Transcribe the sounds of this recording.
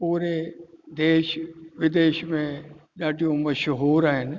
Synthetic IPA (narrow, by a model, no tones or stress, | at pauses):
puːɾed̪eːʃʋɪd̪eːʃmẽɗaːʈijõməʃəɦoːɾaɦen